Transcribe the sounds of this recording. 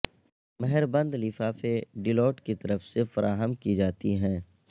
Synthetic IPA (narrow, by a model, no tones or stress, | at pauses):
mɛɦɛɾbə̃nd̪lɪfaːfeɖɪlɔːʈkit̪ɐɾəfsefɐɾʔaːɦəmkid͡ʒaːt̪iɦɛ̃ː